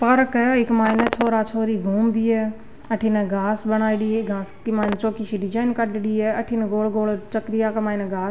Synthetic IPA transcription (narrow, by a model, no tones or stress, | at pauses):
pəɾkɪkmaːɪnət͡ʃʰoːɾaːt͡ʃʰoːɾiɡʱuːmd̪iːɛː | əʈʰinɛɡʱaːsbəñaːiɽiːɡaːskimaːɪnt͡ʃoːkiʃiɖɪd͡ʒaːɪnkəɖɽiːɛɐʈʰinɡoːlɡoːlt͡ʃəkɾɪjaːkmaːɪnəɡaːs